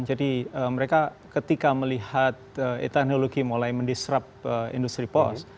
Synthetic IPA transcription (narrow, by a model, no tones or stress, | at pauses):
nd͡ʒadiəməɾeka | kət̪ikaməlihat̪̚əḛt̪ɛk̚noloɡimulajməndisɾap̚əḭndust̪ɾipɔ̰s